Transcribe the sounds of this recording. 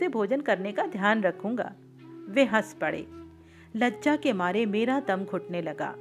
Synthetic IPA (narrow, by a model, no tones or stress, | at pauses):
ebʱoːd͡ʒənkɐɾnekad̪ʱjaːnɾɐkʰũːŋɡa̰ː | ʋeɦɐspɐɽḛː | lɐdd͡ʒakemaːɾemeːɾad̪ɐmkʰʊʈnelɐɡa̰ː